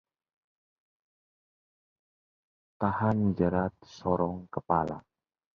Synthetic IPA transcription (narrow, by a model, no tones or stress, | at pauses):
t̪ahand͡ʒəɾat̪̚sɔɾɔŋkəpala̰